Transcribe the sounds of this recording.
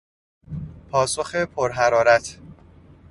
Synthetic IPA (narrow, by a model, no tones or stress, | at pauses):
pʰɒːsoxepʰoɾɦæɾɒːɾæt̪ʰ